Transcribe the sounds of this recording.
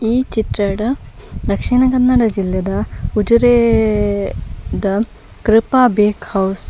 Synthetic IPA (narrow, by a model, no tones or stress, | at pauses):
iːt͡ʃit̪ɾɐɽɐd̪ɐkʂiɳɐkɐnːɐɽɐd͡ʒilːjɐd̪ɐud͡ʒuɾe | d̪ɐ | kɾɪpaːbeːkhɐws